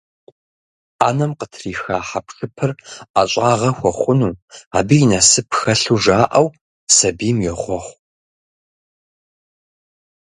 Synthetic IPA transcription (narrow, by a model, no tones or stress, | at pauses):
aːnɐmqətʰriːxaːħapʂɨpʰɨraɕʼaːʁɐxʷɔχʷʊnuːa̰ːbijinɐsɨpxɐɬuːʒaːʔɐw | sɐbiːmjɛʁʷɔχʷ